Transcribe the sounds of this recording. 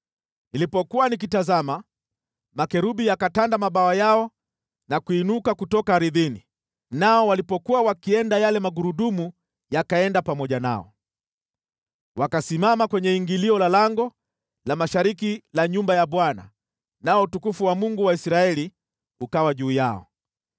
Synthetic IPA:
nilipɔkuwanik̬itazama | makɛɾuɓijakatandamaɓawajaɔ | nakuinukakutɔkaɾiðini | naɔwalipɔkuwawakiɛndajalɛmaɡuɾuɗumu | jakaɛndapamɔʄana̰ɔ̰ | wakasimamakwɛɲɛiŋɡiliɔlalaŋɡɔ | lamaʃaɾikilaɲumbajaɓwana̰ | naɔutukufuwamuŋɡuwaisɾaɛli | ukawaʄuːjaɔ̰

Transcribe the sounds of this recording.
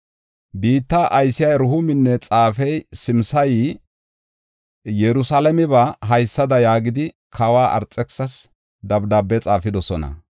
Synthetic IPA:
biːt̪ːɐʔɐjsɪjɐɾʊhʊmɪnːɛt͡sʼaːfɛjsɪmsɐj | jɛɾʊsalɐmɪβɐɦɐjsːɐd̪ɐjaːɡɪd̪ɪ | kʰɐwaːʔɐ̰ɾt͡sʼːɛksɐs | d̪ɐbd̪aːbːɛt͡sʼaːfɪd̪ɔsɔnɐ̰

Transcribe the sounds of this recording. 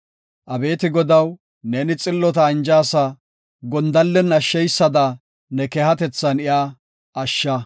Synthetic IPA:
ʔɐbe̞ːt̪ɪɡɔd̪ɐw | neːnɪt͡sʼɪlːɔt̪ɐɪnd͡ʒaːsɐ | ɡɔnd̪ɐlːɛnɐʃːɛjsːɐd̪ɐ | nɛkɛhɐt̪ɛt͡sːɐnɪjʔaː | ʔɐʃːɐ

